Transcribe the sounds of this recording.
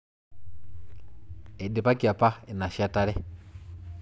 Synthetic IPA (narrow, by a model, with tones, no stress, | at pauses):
ɛ˨dɪ˨pa˦ki˨a˨pa˦ɛ˨na˨ʃa˨ta˦ɾɛ˦